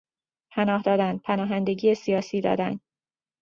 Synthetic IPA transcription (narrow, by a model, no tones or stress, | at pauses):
pʰænɒːɦd̪ɒːd̪ænd̪̥̚pʰænɒːɦænd̪e̞ɟiːjesijɒːsiːd̪ɒ̰ːd̪æ̰nd̪̥